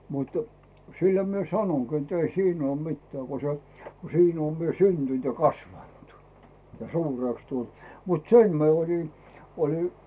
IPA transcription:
mutu̥ silːæ mie sɑnoŋɡ̊i etː ei siːn oːm mitːĕæˑ ko se ko siːn oːm mie syntynt jɑ kɑsʋɑntu̥ jɑ suːreˑks tult mut sem mi̞e olʲi olʲi

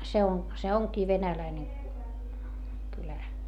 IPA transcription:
se on se oŋkiː ʋenælæine kylæ

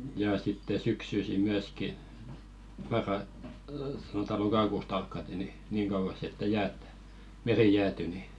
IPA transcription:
jɑ sitːe syksysi myæski mɑrːɑ sɑnotɑ lokɑkuˑst ɑlkːɑte ni niːŋ kɑuʋɑs etːæ jæːt meri jæːty ni

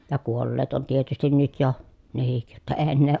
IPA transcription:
jɑ kuolːeːt on tietystin nyt jo nehik jotːɑ eː enːeː

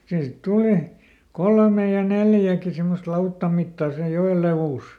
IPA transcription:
siː sit tuli kolmej jɑ neljæki simːost lɑutːɑm mitːɑˑ sej joel leʋuˑs

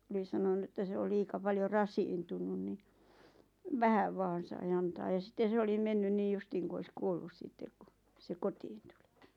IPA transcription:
oli sɑnonu etːæ se o liːkɑ pɑljo rɑsiːntunun ni ʋæhæʋ ʋɑːn sɑi ɑntɑː jɑ sitːen̞ se olim menːyn niːj justiːŋ ku ois kuolːus sitːek̆ ku se kotiːn tu̥l̥i̥

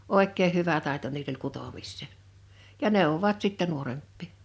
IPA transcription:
oˑekːeːh̆ hyʋæ tɑˑeto niːl olʲ kutomisːeˑ jɑ neˑowːoʋɑt sitːɛ nuorempːiˑ

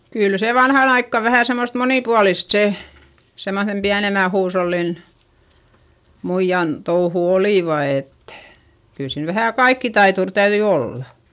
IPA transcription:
kyl se ʋɑnhɑn ɑikːɑ ʋæhæˑ semːost moniˑpuɑlist se semːoθem piænemæ huːsholːin muijːɑn touhu oliˑʋɑ et kyl siːn ʋæhæˑ kɑikːitɑitur tæyðyi olːɑ

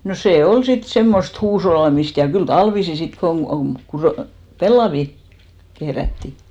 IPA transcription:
no seˑ ol sit semːost huːsholːɑmist jɑ kyl tɑlʋisi sit koŋ ɡ̊u pelːɑʋi kehrætːi

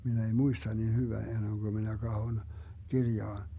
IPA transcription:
min ei muistɑ niːn hyʋæ enːeŋɡ̊ø minæ kɑhon kirjɑːn

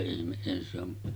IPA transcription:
ihmeʔ ʔeˑihæn se on

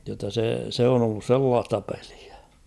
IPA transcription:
jotːɑ se se on olːus selːɑːstɑ pel̥i̥æ̥

